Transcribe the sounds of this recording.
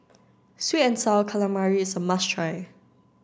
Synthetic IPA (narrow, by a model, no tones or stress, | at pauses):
switɛ̃nsalkʰalãmaɹiɪsəmastʰɹaɪ